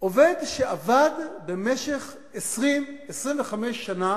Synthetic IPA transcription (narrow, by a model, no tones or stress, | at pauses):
ʔovedʃeavadbemeʃeχ | esʁimesʁimveχameʃːana